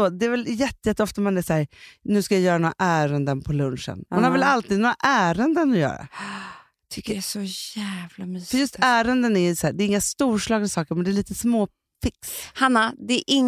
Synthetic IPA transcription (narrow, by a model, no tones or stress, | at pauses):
od̪ɛːvɛljɛt̪ːəjɛt̪ːɔft̪amanæʂæːɾnʉ̟ːskajajœːɾanoːɾa̰ʔæːɾənd̪ənpʰɔlɵnʂə̰nmanhaɾvɛlalt̪ʰiːd̪noːɾaʔæːɾənd̪ənɔjœ̰ːɾa̰ | sɔæːvlamyːfœɾjɵst̪ʰæːɾənd̪ənæɾjɵsæːɖɛːɾɪŋːast̪uːʂɭɑːɡ̪d̪sɑːkəɾmɛnd̪ɛːɾɭiːt̪əsmoː | fɪkshanːad̪ɛʔɪŋː